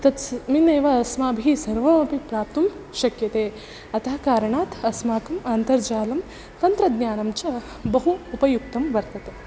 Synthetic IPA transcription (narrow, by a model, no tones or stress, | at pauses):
t̪ɐt̪mineːʋɐɐsmaːbʱisɐɾʋɐmɐpipɾaːp̚t̪umʃɐkjɐt̪eː | ɐt̪ɐɦɐkaːɾɐɳaːt̪ɐsmaːkɐmaːnt̪ɐɾd͡ʒaːlɐm | t̪ɐnt̪ɾɐd̪njaːnɐmt͡ʃɐ | bɐɦuːpɐjuk̚t̪ɐmʋɐɾt̪ɐt̪e